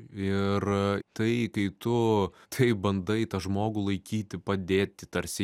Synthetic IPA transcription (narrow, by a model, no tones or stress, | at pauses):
ɪrt̪ɐɪkɐɪt̪ʊt̪ʰɐɪbɐnd̪ɐɪt̪ɐʒmoːɡʊlˠɐɪkʲiːt̪ʲɪpɐd̪ʲeːt̪ʲɪt̪ɐɾʲsʲɪ